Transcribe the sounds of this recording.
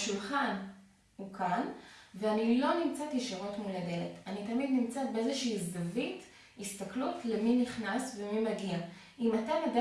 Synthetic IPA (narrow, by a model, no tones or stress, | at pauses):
ʃulχan | hukʰanveanilo̞nimt͡satjeʃiʁo̞tmuladelḛtanitɐmid̪nimt͡sat̚beezeʃiːzdavit | ist̪ɐklutleminiχnasvemimaɡia | ʔimatamada